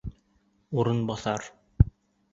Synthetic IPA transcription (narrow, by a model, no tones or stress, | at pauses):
uɾɤnbɑθɑɾ